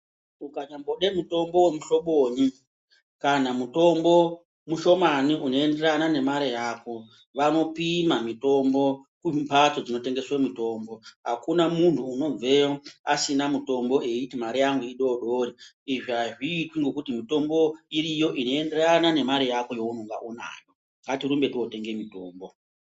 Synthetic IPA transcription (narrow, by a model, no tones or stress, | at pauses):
ukaɲamboɗemuto̞mbo̞wemuʃo̞ɓoːɲi | kanamuto̞mbo̞ | muʃo̞maniʔuno̞e̞nde̞ɾanane̞maɾejaːko̞ | ʋano̞pimamito̞mbo̞kupat͡sod͡zino̞te̞ŋɡe̞swemito̞ːmbo̞ɦakunamuntʰuːno̞b͡ve̞joasinamuto̞mbo̞ʔeitimaɾijaŋɡuiɗo̞ɗoɾi | iʐiɦaʐiːtwiŋɡo̞kutimito̞mbo̞iɾijo̞ʔino̞e̞nde̞ranane̞maɾejako̞jo̞unuŋɡa̰ʔuna̰ːjo | ŋɡatiɾumbe̞tiwote̞ŋɡe̞mito̞ːmbo̞